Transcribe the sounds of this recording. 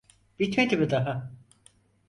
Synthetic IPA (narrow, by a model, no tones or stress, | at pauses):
b̥it̪met̪ʰʲibid̪aɦa